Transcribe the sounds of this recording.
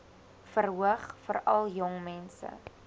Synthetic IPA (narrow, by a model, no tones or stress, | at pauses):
fərɦuəχfərɐlˠjɔŋmɛnsə̰